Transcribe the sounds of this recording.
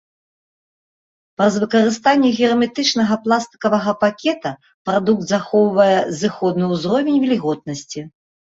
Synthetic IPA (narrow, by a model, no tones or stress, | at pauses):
pɐzvɨkɐɾɨst̪anʲːɛɣʲɛɾɐmʲɛt̪ɨt͡ʂnɐɣɐplˠast̪ɨ̥kɐvɐɣɐpakʲɛt̪ɐ | pɾad̪uk̚d̪zaxɔwvɐjɛzɨxɔd̪nɨuzɾɔvʲɛnʲvʲɛlʲiɣɔd̪̚nɐsʲt͡sʲi